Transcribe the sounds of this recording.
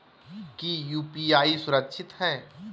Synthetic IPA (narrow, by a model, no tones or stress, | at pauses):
kijuːpiaːisʊɾəkʃʰɪt̪ɦɛː